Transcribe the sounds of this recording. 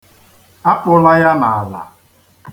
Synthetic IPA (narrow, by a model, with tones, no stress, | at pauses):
a˦pʊ˦la˦ja˦na˨a˨la̰˨